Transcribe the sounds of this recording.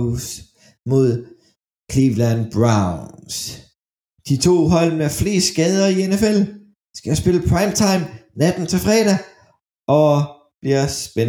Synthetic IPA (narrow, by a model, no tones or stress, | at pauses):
s | mo̝ð̞̰ˠ | kʰliʋlænb̥ʁɑʊns | d̥it͡sʰo̝̰ːɦɒ̽l̰mefle̝̰ːsɡ̥ɛːð̞ˠɐienefel | sɡ̥æsb̥e̝ləpʰʁɑ̈ɪmt͡sʰɑ̈ɪmnæd̥n̩t͡sʰe̝fʁɛːɾæ | ʔɒ̽ | b̥liɐsb̥en